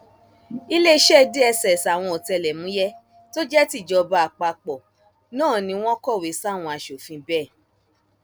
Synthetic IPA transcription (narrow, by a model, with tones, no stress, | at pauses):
i˦le˦˧˦ʃɛ˦˧de˦ɛ˧sɛ˨sa˨w̃ɔ̃˧o˨tɛ˧lɛ˨mũ˨˦jɛ˦ | to˦d͡ʒɛ˦ti˦˨d͡ʒɔ˧ba˧a˨k͡pa˧k͡pɔ˨ | nãː˦˨nĩ˧w̃ɔ̃˦kɔ˦˨we˨˦sa˦˨w̃ɔ̃˧a˧ʃo˨fĩ˧bɛ˦˨